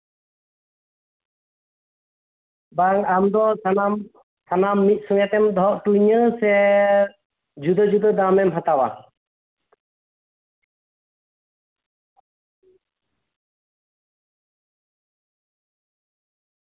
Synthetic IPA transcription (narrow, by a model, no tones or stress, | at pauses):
baŋamd̪ɔsanam | sʰanamːit̪̚sɔŋɛt̪ɛmd̪ɔɔʔʈuɲəsɛ | d͡ʒud̪əd͡ʒud̪əd̪amɛmɦat̪awa̰